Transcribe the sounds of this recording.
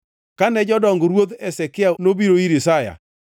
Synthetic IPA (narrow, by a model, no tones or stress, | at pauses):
kanɛd͡ʒɔdɔŋɡɾwod̪ɛsɛkɪanobiɾoiɾisaja̰